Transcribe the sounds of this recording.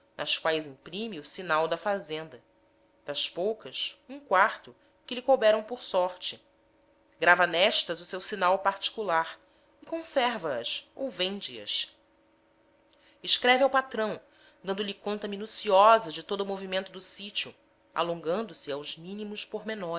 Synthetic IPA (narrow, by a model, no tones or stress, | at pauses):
nʔɐskwajzĩpɾĩmiʊsinawd̪ɐfazẽnd̪ɐ | d̪̥ɐʃpowkɐsũkwaɾt̪ʊ | kɪlɪkobɛɾɐ̃w̃poɾsɔɾt͡ʃɪ | ɡɾavɐnɛʃt̪ɐzʊsewsinawpaɾt͡ʃi̥kulaɾ | ikõsɛɾvɐɐso̰wvẽnd͡ʒɪɐ̰s | ɪʃkɾɛviawpat̪ɾɐ̃w̃ | d̪ɐ̃nd̪ʊlɪkõnt̪ɐminusiɔzɐd͡ʒɪt̪od̪ʊumovimẽnt̪ʊd̪ʊsit͡ʃiʊ | a̰lõŋɡɐ̃nd̪ʊsiawzmĩnimʊʃpoɾmenɔ